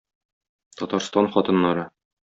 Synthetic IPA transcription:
t̪ɒt̪ɑɾst̪ɑnχɒt̪ɤ̆nːɑɾɤ

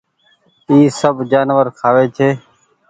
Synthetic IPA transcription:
iːsəbd͡ʒaːnʋəɾkʰaːʋeːt͡ʃʰeː

